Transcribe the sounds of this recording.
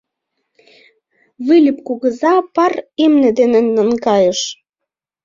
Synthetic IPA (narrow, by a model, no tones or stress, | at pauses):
βilʲipkuɣə̆zɑpɑremnĕd̪enə̆nːə̆nkɑjə̆ʃ